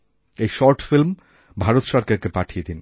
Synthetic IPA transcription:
ejʃɔɾʈfilm | bʱaɾot̪ʃɔɾkaɾkepaʈʰijed̪in

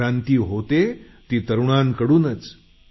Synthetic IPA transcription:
ãnt̪iːɦot̪e | t̪iːt̪əɾuɳ̃ankəɽuːnət͡s

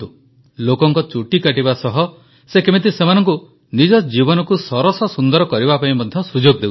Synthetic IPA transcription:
u | lokɔŋkɔt͡ʃuʈikaʈibasɔɦɔ | sekemit̪̬isemanɔŋku | nid͡ʒɔd͡ʒibɔnɔkusɔɾɔsɔsund̪ɔɾɔkɔɾibapaĩmɔd̪ʱjɔsud͡ʒoɡd̪ew

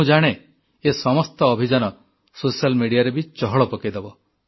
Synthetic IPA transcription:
ũd͡ʒaɽ̃e | esɔmɔst̪ɔːbʱid͡ʒanɔ | sosalmiɽijaɾebit͡ʃɔɦɔɭɔpɔkid̪ebɔ

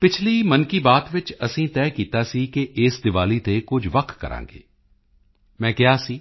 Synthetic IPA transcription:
pɪt͡ʃʰliːmənkiːbaːt̪ʋɪt͡ʃəsĩːt̪ɛːkiːt̪aːsiːkeʔeːsd̪ɪʋaːliːt̪eːkʊd͡ʒʋək̪ʰkə̰ɾã̰ːŋɡḛː | mɛ̃ːkɪaːsiː

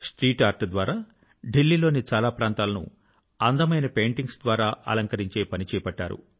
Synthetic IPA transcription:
sʈɾiːʈaːɾʈd̪ʋaːɾaː | ɖilːiːlo̞ːnit͡ʃaːlaːpɾaːnt̪aːlɐnṵ | ɐnd̪ɐmɐjnɐpeːɳʈiŋɡsd̪ʋaːɾaːʔɐ̰lɐŋkɐɾiɲt͡ʃe̞ːpɐnit͡ʃɛːjɐpɐʈːa̰ːɾṵ

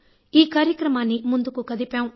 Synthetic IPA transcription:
iːkaːɾjəkɾəmaːnĩmʊ̃nd̪ukukɐd̪ipjãːũ

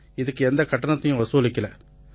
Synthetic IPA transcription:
ɪðɯkːɯɛnd̪ɐkɐʈːɐnɐt̪ːɐjʊ̃ʋɐsuɐlɪkːɐlɐ

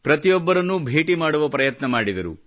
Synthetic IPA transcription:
pɾɐt̪ijɔbːɐɾɐnːubʱeːʈimaːɽuʋɐpɾɐjɐt̪nɐmaːɽid̪ɐɾṵ

